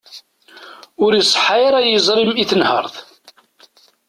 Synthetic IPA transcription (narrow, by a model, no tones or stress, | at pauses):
ʊɾisˤħaɾæjəzˤɾimiθənhə̰ɾˤðˤ